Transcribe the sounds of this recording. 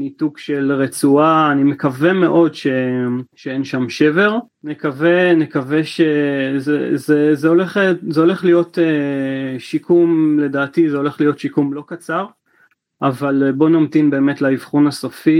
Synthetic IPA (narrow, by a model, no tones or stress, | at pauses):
mitukʃelʁet͡suaːnime̞kaveme̞ʔo̞dʃe̞ʃeenʃamʃe̞ve̞ʁ | nekavenekaveʃezezezeoleχzeo̞le̞χlijo̞te | ʃikʰumle̞daːtizeo̞le̞χlijo̞tʃikumlo̞kat͡saʁ | ʔavalbo̞nomt̪inbe̞ːme̞tlaivχunaso̞fi